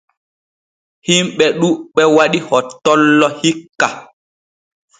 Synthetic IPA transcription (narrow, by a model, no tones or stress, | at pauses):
himɓɛɗuɓɛwaɗihɔtːɔlːɔhikːa